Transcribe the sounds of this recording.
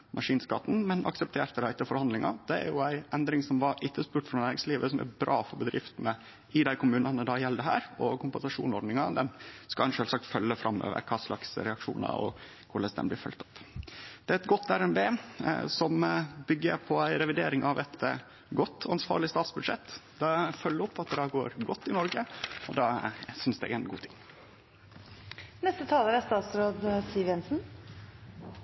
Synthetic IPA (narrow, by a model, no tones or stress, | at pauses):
mʔɑʂiːnskɑt̪n̩mɛnʔɑ̰ksəp̚t̪ʰeːɾt̪əd̪æɪt̪ːəfɔɾhɑnd̪lɪŋɑ̰d̪̥ɛæ̰ɾjʊæɪʔɛnd̪ɾɪŋsɔmʋɑɾɪt̪ːəspʉːʈfɾɑnæːɾɪŋsliːʋəsɔmʔæ̰ɾbɾʔɑːfɔɾbəd̪ɾɪft̪nə | ɪd̪æɪkʰʊmʉːnɑnəd̪ɑjɛld̪əɦæ̰ːɾɔkʰʊmpɛnsɑʂṵːnɔɾɖ̪nɪŋɑd̪ɛnskɑnʂøːlsɑk̚t̪fœlːəfɾʔɑmːø̰ːʋə̰ɾkʰɑːslɑksɾɛɑkʂṵːnɑ̰ɔ̰ | kʰʊləsd̪ɛ̰mblɪɾfœlt̪ɔ̥pːd̪̥ɛæɛt̪ɡɔt̪ʰːæɾɛmbeːsɔmbʏɡːəɾpʰɔæɪɾɛʋɪd̪eːɾɪŋʔɑʋʔɛt̪ | ɡɔt̪ːɔɑnsʋɑ̰ːɾɭɪst̪ɑːt̪sbʉd̪ʂɛ̰t̪ːd̪ɑfœlːəɔpːɑt̪̚d̪ɛd̪æːɡoːɾɡɔt̪ːɪnɔɾɡəɔd̪ɑːsʏnsd̪ɛ̰ʔɛːnɡṵːt̪ʰɪŋ | nɛst̪ət̪ʰɑːləɾæst̪ɑːt̪sɾoːd̪siːʋɛnsn̩